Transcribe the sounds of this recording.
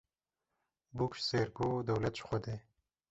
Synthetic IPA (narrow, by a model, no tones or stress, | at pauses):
bukʃseːɾɡoːd̪ɐwlɛt̪ʃxʷɔd̪eː